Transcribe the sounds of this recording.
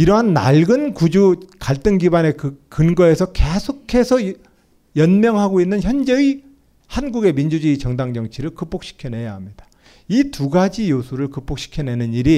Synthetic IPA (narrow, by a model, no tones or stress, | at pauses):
iɾʌɦanːa̰ɭɡɯnkud͡ʑukaɭt͈ɯŋɡibane̞kɯkɯnɡʌe̞sʰʌke̞sʰokʰe̞sʰʌ | jʌnmjʌŋɦaɡoinːɯnçjʌnd͡ʑei | hanɡuɡe̞mind͡ʑud͡ʑiit͡ɕʌŋdaŋd͡ʑʌŋt͡ɕʰiɾɯɭkɯp͈ok̚ɕ͈ʰi̥kʰjʌne̞jaɦamɲid̥ḁ | ituɡad͡ʑijosʰuɾɯɭkɯp͈ok̚ɕ͈i̥kʰjʌne̞nɯniɾi